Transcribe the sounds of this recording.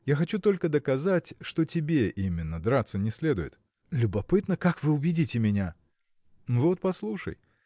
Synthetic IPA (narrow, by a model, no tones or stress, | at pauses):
jaxɐt͡ɕut̪o̞lʲkəd̪əkɐzatʲʂt̪otʲɪbʲe̞ʔimʲɪnːəd̪ɾat̪sːənʲɪsʲlʲe̞d̪ʊjɪ̰t̪ | lʲʊbɐpɨt̪nəkakvɨʊbʲɪdʲitʲɪmʲɪnʲa | vo̞t̪̚pɐslˠuʂə̰j